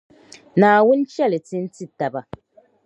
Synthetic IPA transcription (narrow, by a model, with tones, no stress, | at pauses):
naː˨wu˦n˦t͡ʃɛ˦li˨ti˦n̩˦ti˦˨ta˨ba˨